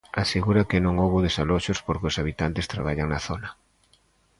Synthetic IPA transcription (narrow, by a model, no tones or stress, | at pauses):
aseɣuɾakɪnõŋowβoðesaloʃospoɾkɪosaβit̪ant̪ɪst̪ɾaβaʎaŋnaθonɐ